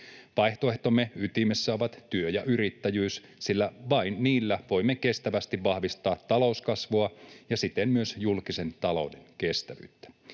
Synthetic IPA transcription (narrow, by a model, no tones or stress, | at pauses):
ʋɑjht̪oe̞ht̪o̞mːeyt̪imesːæo̞ʋɑt̪t̪yøjɑʔyɾit̪ːæjyːs | silːæʋɑinniːlːæʋo̞jmːeke̞st̪æʋæst̪iʋʋɑhʋist̪ɑːt̪ːɑlo̞uskɑsʋoɑjɑsit̪emmyøsjulkise̞nt̪ɑlo̞̰wdeŋke̞st̪æʋy̰ːt̪ːæ̥